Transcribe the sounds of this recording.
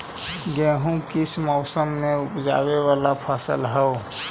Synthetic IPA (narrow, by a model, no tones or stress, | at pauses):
ɡɛ̃ːɦũkɪsmɔʊsəmːẽʊpd͡ʒa̰ːwewaːlapʰaːsə̰lɦɛo